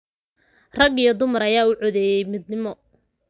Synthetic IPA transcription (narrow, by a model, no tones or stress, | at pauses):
rɐɡijɔd̪ʊmɐɾɐjaːʊʕɔðɛːjɛjmɪd̪nɪmɔ